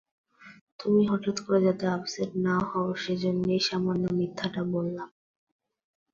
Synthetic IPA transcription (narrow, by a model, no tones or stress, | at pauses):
t̪umiɦɔʈat̪koɾed͡ʑat̪eabseʈnahɔoʃed͡ʑonːoejʃamanːomit̪ʰːaʈabolːam